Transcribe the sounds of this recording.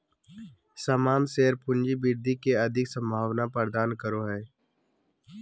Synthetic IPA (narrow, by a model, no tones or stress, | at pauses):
səmaːmseːɾpʊ̃nd͡ʒibiɾd̪ikeɐd̪ʱɪksə̃mbʱaːʋnapəɾd̪aːnkəɾoɦɛː